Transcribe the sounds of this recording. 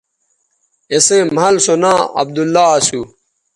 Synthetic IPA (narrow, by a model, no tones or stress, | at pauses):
esemɦɐlsonãːɐ̰b̚d̪ulːasu